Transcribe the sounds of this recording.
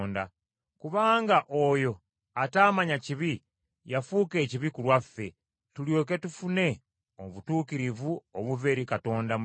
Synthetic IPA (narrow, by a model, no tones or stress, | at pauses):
nda | kuβaːŋɡaʔojo̞ | ataːmaɲaciβi | jafuːke̞ːciβikulwafːe̞ | tuljo̞k̬e̞tufune̞ | oβutuːkiɾivuoβuve̞ɾikato̞ːnda